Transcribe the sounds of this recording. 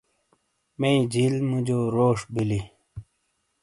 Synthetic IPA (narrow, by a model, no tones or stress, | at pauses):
meĩd͡ʑilmud͡ʑoɾoːʂbili